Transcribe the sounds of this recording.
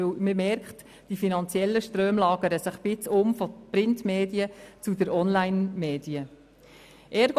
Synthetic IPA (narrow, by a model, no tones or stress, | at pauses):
øməmɛɾkχt | d̥ifinɑnt͡sjɛlːəʃtɾøːmlɑːɡ̥əɾəsɪχb̥ɪt͡sʊmfɔpɾɪntmeːdiət͡sudəɾʔɔnlaɪnmeːdiə | ʔɛːɾɡ